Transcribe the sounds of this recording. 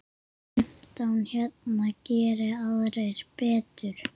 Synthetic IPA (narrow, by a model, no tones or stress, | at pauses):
m̥t̪awnçjɛt̪nacɛːɾɪaðɾejɾ̥pɛːt̪ʏɾ̥